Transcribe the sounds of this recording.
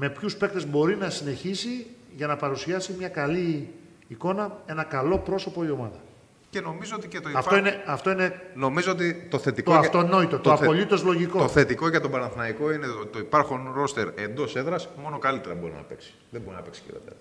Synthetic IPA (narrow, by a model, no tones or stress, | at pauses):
me̞pçuspe̞kt̪e̞zbo̞ɾinɐsine̞çisiʝɐnɐpɐɾusiɐsimɲɐkɐliː | ko̞nɐe̞nɐkɐlo̞pɾo̞so̞po̞io̞mɐðɐ | ce̞no̞mizoot̪icet̪oiɐfoineɐft̪o̞ine̞no̞mizoot̪̬it̪o̞θe̞t̪ik̪t̪oɐft̪ono̞it̪o̞t̪oɐpo̞lit̪o̞zlo̞ʝiko̞oθe̞t̪iko̞ʝɐt̪obɐnɐθnɐiko̞ineot̪o̞ipɐɾxonɾo̞st̪eɾe̞nd̪o̞se̞ðɾɐsmo̞nokɐlit̪eɾɐbo̞ɾḭnɐ̰pe̞̰ksi̥ðebo̞ɾinɐ̰peksi̥çḭɾo̰t̪ɐ̰